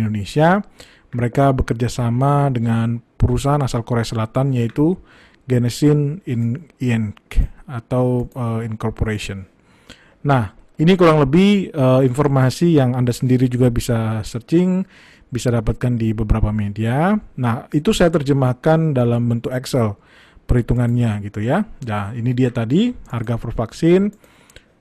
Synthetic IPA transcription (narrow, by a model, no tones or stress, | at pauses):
ndonesia | məɾekabəkərd͡ʒasamadəŋanpəɾus̬aɦanasalkoɾeasəlat̪anjait̪u | ɡɛnəsɪniniɛnkat̪awəinkɔrpoɾesiɔnː | ahinikuɾaŋləbɪhəinformasijaŋandasəndiɾid͡ʒuɡabisasərt͡ʃɪŋ | bisadapat̪̚kandibəbəɾapamedianahit̪usajat̪̬ərd͡ʒəmahkandalambənt̪ʊkɛksɛl | pərɾhit̪uŋanɲaɡit̪ujajainidiat̪adiharɡafɔrfaksɪn